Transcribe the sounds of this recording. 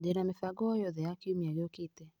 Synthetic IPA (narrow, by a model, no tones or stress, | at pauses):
dɛnamɛfaɡɔjɔðɛakiumialɔkitɛ